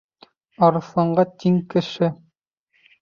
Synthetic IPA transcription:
ɑɾɤ̆θlˠɑɴɢɑt̪ʲʰiŋkɘ̆ʃɘ

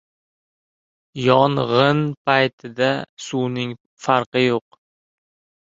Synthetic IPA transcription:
jɒnʁɨnpʰajt̪ʰɪd̪asunɪŋ | faɾqɨjoq̚

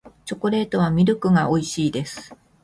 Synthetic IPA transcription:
t͡ɕo̞koɾe̞ːt̪o̞β̞amʲiɾʲɯ̟kɯ̟ɡaʔo̞iɕiːd̪e̞sɨ̥

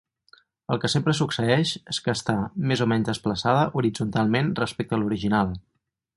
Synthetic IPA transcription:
əlˠkəsempɾəsuksəɛʃeskəːst̪amezomɛɲzðəspləsaðəʔuɾid͡zunt̪alˠmenrəspek̚t̪əluɾiʒinalˠ

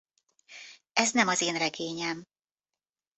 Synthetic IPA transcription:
ɛznɛmɒzeːnrɛɡeːɲɛm

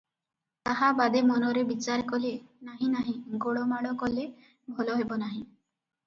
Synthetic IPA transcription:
t̪aɦabad̪emɔnɔɾebit͡ʃaɾkɔlenaɦĩnaɦĩɡoɽɔmaɽɔkɔle | bʱɔloɦebɔnaɦĩ

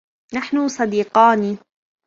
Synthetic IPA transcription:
naħnʊsˤɑd̪iːqɑːni

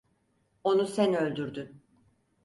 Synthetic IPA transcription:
o̞nusænø̞lʲd̪yɾd̪yn

